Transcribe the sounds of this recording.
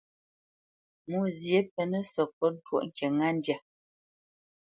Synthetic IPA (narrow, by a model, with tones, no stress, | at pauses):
mu˦˨zje˦pɛ˨nə˦sɔ˨pɔ˦n̩˦two̰˦ʔŋ̩˨kɛ˨ŋa˦n˦dja˨